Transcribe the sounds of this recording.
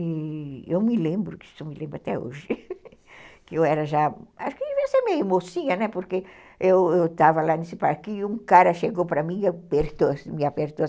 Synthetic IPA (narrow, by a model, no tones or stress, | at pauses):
iewmɪlẽmbɾʊki̥t̪omɪlʔẽmbɾat̪ɛo̰ʒɪ | kɪewɛɾɐʒaaʃʊ̥kɪviɐ̃semeumosĩɲɐnɛpoɾke | ewewt̪avɐlanesɪpaɾkɪũkaɾɐʃeɡopɾɐmĩɐpeɾt̪osmĩɐpeɾt̪o